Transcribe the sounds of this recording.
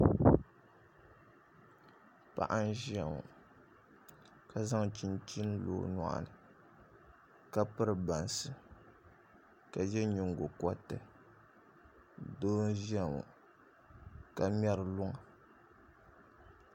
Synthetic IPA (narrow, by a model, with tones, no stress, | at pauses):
pa̰˨ʔa˦n˦ʒi˦a˨ŋṵ˨ | ka˨za˦ŋ˨t͡ʃi˦n˦t͡ʃi˦n˦lo̰˨na̰˨ʔa̰˨nɨ˨ | ka˦pɨ˦ɾɨ˨ba˨n˨sɨ˨ | ka˨jɛ˦ɲu˨ŋ˨ɡo˨ka˦tɨ˨ | doː˦n̩˦ʒi˦a˨ŋṵ˨ | ka˨m˦ɛ˦ɾɨ˨lʊ˦ŋa˨